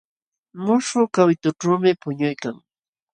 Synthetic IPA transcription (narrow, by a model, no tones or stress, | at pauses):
mʊʂʊkawɪt̪ʊʈ͡ʂaːmɪpʊɲʊjkaŋ